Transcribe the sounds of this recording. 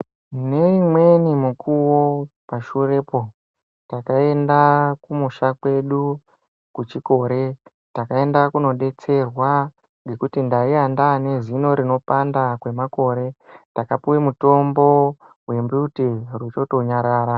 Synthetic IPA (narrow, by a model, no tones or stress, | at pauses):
ne̞imwe̞nimukʰuwopaʃure̞po̞ | takae̞ndakumuʃakwe̞ɗu | kut͡ʃiko̞ɾe̞ | takae̞ndakuno̞ɗe̞t͡se̞rwa | ŋɡe̞kutindaiandane̞zino̞ɾino̞pandakwe̞mako̞ɾe̞takapuwemuto̞mbo̞ | we̞mbutirwuto̞to̞ɲaɾaːɾa